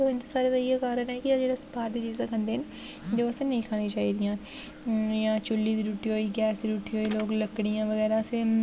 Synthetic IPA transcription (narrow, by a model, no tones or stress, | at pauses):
ɪnt̪esaːɾed̪ajekaːɾənɦɛkiad͡ʒeːɽespaːɾd̪it͡ʃiːzãkʰɐ̃nd̪eɦɛn | d͡ʒoːɛsɐnɐɦĩkʰaːnĩt͡ʃaːɦid̪ijãː | jat͡ʃʊlːid̪iɾuːʈʰiɦoːiɡɛːsiɾuːʈʰiɦoːiloːɡlɐkɽijãʋɐɣɛːɾase